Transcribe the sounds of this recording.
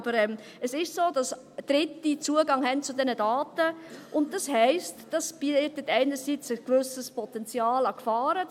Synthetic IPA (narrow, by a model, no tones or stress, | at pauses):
b̥əɾɛm | əsɪʃsoːdɑs | d̥ɾɪtːit͡suəɡɑŋhɛnt͡sʊdɛnədɑːtəʔʊnt̚d̥ɑshɛɪstd̥ɑsb̥itətɛɪnəɾsit͡səkʋʏsəspɔtɛnt͡sjɑːlɑkfɑːɾə